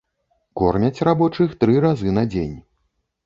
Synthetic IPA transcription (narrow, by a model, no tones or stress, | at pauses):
kɔrmʲɐt͡sʲrabɔt͡ʂɨxt̪ɾɨɾazɨnɐd͡zʲḛnʲ